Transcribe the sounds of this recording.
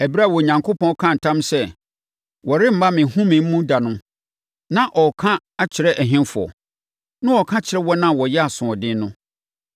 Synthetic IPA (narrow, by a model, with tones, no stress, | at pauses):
æ˨ba˦˨wɔ˨ɲã˨ŋkʰo˦pʰɔ̃˦kʰã˦˨n̩˨tʰã˦msɛ˦ | wɔ˨ɾɪ˦m̩˨ba˦mɪ̃˨hũ˦mɪ̃˨m̩˦mũ˦da˨nʊ̃˦ | nã˦ʔɔ˨kʰã˦ | a˦t͡ɕʰɪ˨ɾɛ˦ʔæ˨ɦɪ̃˦nfʊ˨ɔ̰˨ | nʊ̃˦ɔ˨kʰã˦t͡ɕʰɪ˨ɾɛ˦wɔ˦nã˦˨wɔ˨jɛ˦a˨sʊ̃˨ɔ˨dɪ̃˦nʊ̃˦